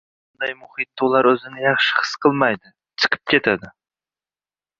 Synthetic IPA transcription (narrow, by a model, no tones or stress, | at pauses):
bʊnd̪ajmʊhɪt̪̚ːʊlaɾɵzɪnɪjɑχʃɪ̥hɨ̥sqʰɨlˠmajd̪ɪ | t͡ʃʰɨ̥qʰɨ̥p̚kʲʰe̞t̪ʰad̪ɪ